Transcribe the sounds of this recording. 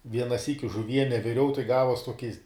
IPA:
ˈʋʲiɛnɐ ˈsʲiːkʲɪ ʒʊˈʋʲiɛnʲɛ ʋʲɪˈrʲɛʊ tɐɪ ˈɡɑːʋuɔs ˈtuɔkʲɪs

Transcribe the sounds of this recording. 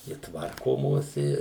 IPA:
ɪ ˈtʋɐrkoːmoːs ɪ

